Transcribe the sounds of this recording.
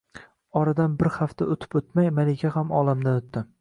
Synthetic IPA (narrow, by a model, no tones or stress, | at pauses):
ɒɾad̪anbɪɾhaft̪ʰaot̪ʰɪ̥pɵt̪majmalɪkʲʰahamɒlˠamd̪anot̪ːɪ